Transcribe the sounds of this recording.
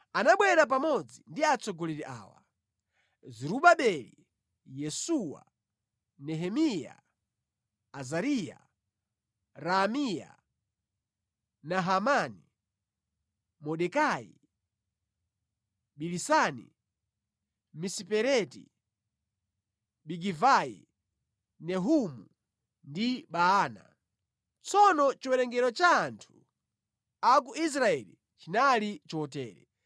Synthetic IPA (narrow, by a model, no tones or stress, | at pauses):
anaɓwɛɾap̬amɔd͡zindiat͡sʰɔɡɔlɛɾiʔa̰ːwa̰ | zɛɾuɓaɓɛlḭ | jɛsuwa̰ | nɛɦɛmija̰ | zaɾija̰ | ɾamija̰ | naɦamani | mɔɗɛkaḭ | ɓilisanḭ | misipɛɾɛtḭ | ɓiɡivajḭ | nɛɦumu | ndiɓaaːna̰ | t͡sɔnɔt͡ʃiwɛɾɛŋɡɛɾɔt͡ʃaːntʰu̥ | ak̬uʔis̬ɾaɛlḭ | t͡ʃinalit͡ʃɔtɛːɾɛ̰